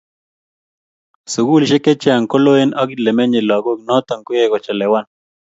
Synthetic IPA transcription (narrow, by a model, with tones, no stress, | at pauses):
su˨ɡu˦lʃe˦kɛ˦t͡ʃɛ˦a˨ŋko˦lo˦e˦na˦kilɛ˨mɛ˦ɲɪ˨lɔ˨˦ɡo˦knɔ˦t̪a˨ŋko˦je˦kɔ˨t͡ʃa˨lɛ˨wa˦˨n